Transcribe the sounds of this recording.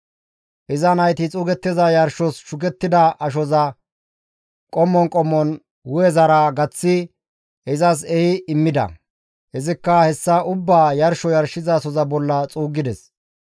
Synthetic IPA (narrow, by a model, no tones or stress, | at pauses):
ʔɪzɐnɐjt̪ɪt͡sʼuːɡɛt̪ːɪzɐjɐɾʃɔsʃʊkɛt̪ːɪd̪ɐʔɐʃɔzɐ | kʼɔmːɔnkʼɔmːɔn | wʊjɛzɐɾɐɡɐt͡sːɪ | ɛzɐs̬ɛhɪɪmːɪd̪ɐ̰ | hɛzɪkːɐhɛsːɐʔʊbːaːjɐɾʃɔjɐɾʃɪzɐsɔzɐbɔlːɐt͡sʼuːɡɪd̪ɛs